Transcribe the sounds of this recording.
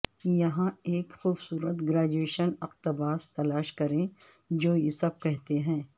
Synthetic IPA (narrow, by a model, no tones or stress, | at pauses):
jɐɦãeːkxuːbsuːɾət̪ɡɾaːd͡ʒueːʃənɐqt̪ɐbaːst̪ɐlaːʃkɐɾẽ | d͡ʒoːjɪsɐb̚kɛɦt̪eɦɛ̃ː